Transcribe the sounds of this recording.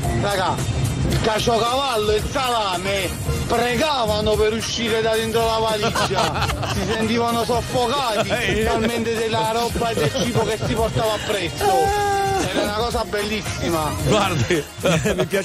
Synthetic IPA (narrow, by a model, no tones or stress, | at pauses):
raɡailkat͡ʃɔkavalːoesalaːme | pɾeɡaːvanopeɾuʃːiːɾed̪ad̪ent̪ɾolapalid͡ʒːa | sisent̪iːvanosofːokaːt̪iet͡ʃalment̪ed̪elːaɾɔbːaed̪ːelt͡ʃiːpokessːiport̪aːvaːpːɾɛsːoɛːɾaunakɔːsabɛlːisːimaɡwaɾd̪e | mipja